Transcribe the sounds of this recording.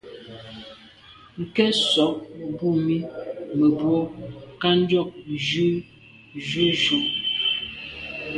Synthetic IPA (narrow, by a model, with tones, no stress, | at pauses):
ŋ̩˨kɛ˦sɔ˨˦k̚bu˦˨mi˦mə˨bwɔ˦ka˦n˦d͡ʒɔ˦˨k̚d͡ʒʉ˦ | ʒʉ˦ʒu˦